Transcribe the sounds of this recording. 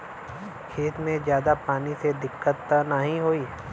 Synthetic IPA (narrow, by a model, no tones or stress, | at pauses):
kʰeːt̪mẽzjaːd̪apaːnised̪ɪkːət̪ːnəɦĩɦoːiː